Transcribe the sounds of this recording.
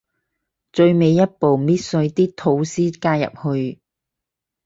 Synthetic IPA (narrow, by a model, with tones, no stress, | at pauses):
t͡ʃɵ˧ɥme˨˧jːɐ˥t̚po˨wmiː˥t̚sɵ˧ɥt̪iː˥t̪ʰo˨˥wsiː˥kaː˧jɐ̰˨p̚hɵ˧ɥ